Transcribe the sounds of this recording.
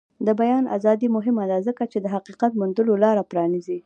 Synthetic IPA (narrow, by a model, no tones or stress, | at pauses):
d̪əbajɑnʔa̰zɑd̪imʊɦɪmad̪azəkat͡ʃed̪əɦaqiqat̪̚mund̪əlolɑɾapɾɑnizi